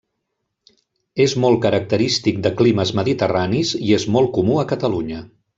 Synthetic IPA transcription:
ezmɔlˠkəɾək̚t̪əɾist̪ik̚d̪əkliməzməðit̪əraniziezmɔlˠkumuəkət̪əluɲə

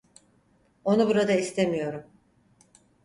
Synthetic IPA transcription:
o̞nubuɾad̪aist̪ʰemijo̞ɾum

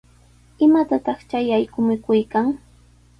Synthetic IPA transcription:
ɪmat̪at̪ɑχt͡ʃajajkʊmɪkʊjkaŋ

